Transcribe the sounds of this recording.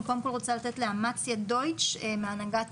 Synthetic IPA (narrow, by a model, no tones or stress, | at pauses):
komkolʁot͡salat̪et̪leamat͡sjad̪o̞jt͡ʃemeanaɡat